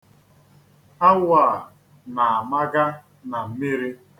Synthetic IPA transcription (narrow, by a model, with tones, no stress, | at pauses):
a˦wa˨ | na˨a˨ma˦ɡa˦ | na˨m̩˦mi˦ɾi˦